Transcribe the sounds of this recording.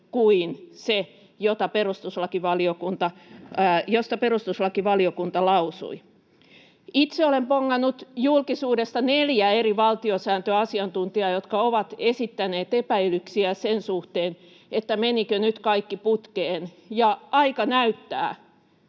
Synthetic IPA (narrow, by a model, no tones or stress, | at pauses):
kuinse | jot̪ɑperust̪uslɑkiʋɑliokunt̪ɑ | jost̪ɑperust̪uslɑkiʋɑliokunt̪ɑlɑusṵi | it̪seolempoŋːɑnːut̪julkisuːdest̪ɑneljæeriʋɑlt̪iosæːnt̪øɑsiɑnt̪unt̪iɑjot̪kɑoʋɑt̪esit̪ːæneːt̪epæilyksiæsensuht̪eːn | et̪ːæmenikønyt̪kɑikːiput̪keːn | jɑɑikɑnæyt̪ːæ̰ː